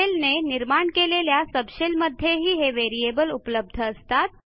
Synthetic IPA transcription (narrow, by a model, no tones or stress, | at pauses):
elneniɾmaɳkeleljasəbɕelməd̪ʱːjeɦiːɦeʋeɾijebəlupləb̚d̪ʱəəst̪at̪̚